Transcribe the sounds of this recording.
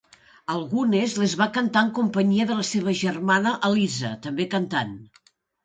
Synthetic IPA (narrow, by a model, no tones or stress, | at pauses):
əlˠɣunezlezβakənt̪aəŋkumpəɲiəðələseβ̞əʒərmanəʔəlizət̪əmbekənt̪an